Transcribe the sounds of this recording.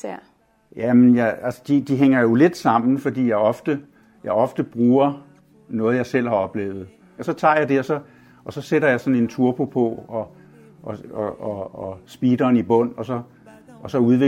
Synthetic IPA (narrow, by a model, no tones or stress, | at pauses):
jæmenjɑælsə̥d̥id̥iɦeŋ̰ɐjo̝le̝d̥sɑ̈m̰n̩fɒ̽d̥ḭːjɑ̈ɪɒ̽fd̥ə | jɑ̈ɪɒ̽fd̥əb̥ʁuːɐ | nɔ̽ːð̞̩ˠjɑ̈ɪsel̰hɑ̈ɒ̽b̥le̝̰ːʊð̞̩ˠ | ɒsɒ̽t͡sʰɑ̰̈ːjɑ̈ɪd̥e̝ɒ̽sɒ̽ | ʔɒ̽sɒ̽seɾɐjɑ̈ɪsɒ̽ne̝nt͡sʰuɐpʰo̝pʰɒ̽ɒ̽ | ʔɒɒɒsb̥iːd̥ɐːnib̥ɔ̽n̰ɒ̽sɒ̽ | ɒ̽sɒ̽uðˠe